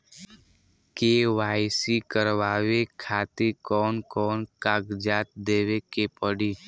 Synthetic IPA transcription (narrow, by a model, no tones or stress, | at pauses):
keːʋaːɪsikəɾʋaːʋekʰaːt̪ekɔːnkɔːnkaːɡd͡ʒaːt̪̚d̪eːʋekepəɽiː